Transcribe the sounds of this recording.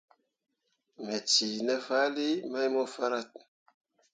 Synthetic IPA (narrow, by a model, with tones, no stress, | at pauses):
me˨t͡si˨ne˦fa˦li˦ma˦jmo˦fa˦ɾa˦t̪̚n